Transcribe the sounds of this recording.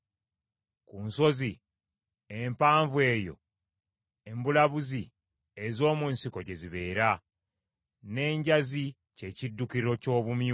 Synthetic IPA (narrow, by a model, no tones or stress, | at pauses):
kuːnso̞zi | empaːɱvuwe̞ːjo̞̰ | embulaβuzi | ezo̞ːmunsiko̞ɟe̞ziβe̞ːɾa | ne̞ːɲɟazi | ce̞cidːukiɾo̞co̞ːβumj